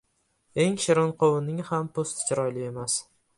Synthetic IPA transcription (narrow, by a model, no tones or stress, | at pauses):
e̞ŋʃɪɾɒnqʰowɪnɪŋhampʰost̪t͡ʃʰɪɾɒjlɪe̞mas